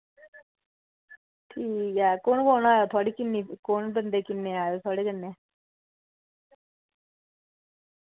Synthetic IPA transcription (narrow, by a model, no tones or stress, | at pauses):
ʈʰiːkakoːɳkoːnaːjot̪ʰɔɽikinːikoːɳbənd̪ekinːeaːjot̪ʰɔːɽekənːe